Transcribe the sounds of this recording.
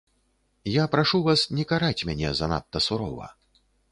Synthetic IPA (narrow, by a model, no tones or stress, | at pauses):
japɾaʂuvasnʲɛkaɾat͡sʲmʲanʲɛ̰zɐna̰t̪ːɐsuɾɔ̰vɐ̰